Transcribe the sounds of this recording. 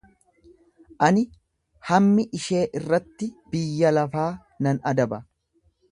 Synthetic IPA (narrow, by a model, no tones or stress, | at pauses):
ʔɐnɪ | hɐmːɪʔɪʃe̞ːʔɪrːɐt̪ːɪb̥ɪjːɐlɐfaː | nɐnɐd̪ɐbɐ